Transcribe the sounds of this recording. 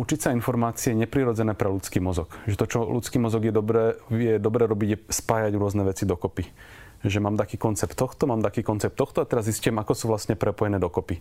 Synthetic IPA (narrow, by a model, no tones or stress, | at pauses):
ut͡ʃicsainfɔɾmaːt͡siɛɲɛpɾiɾɔd͡zɛnɛːpɾɛlut͡skiːmɔzɔkʒɛt̪ɔt͡ʃɔlut͡skiːmɔzɔɡjɛd̪ɔbɾɛːjɛd̪ɔbɾɛːɾɔbiɟjɛspaːjaɟɾʊɔznɛʋɛt͡sid̪ɔkɔpi | ʒɛmaːmt̪akiːkɔnt͡sɛpt̪ːɔxt̪ɔmaːmt̪akiːkɔnt͡sɛp̚t̪ɔxt̪ɔat̪ɛɾazziscʊjɛmakɔsuːʋlasɲɛpɾɛpɔjɛnɛːd̪ɔkɔpi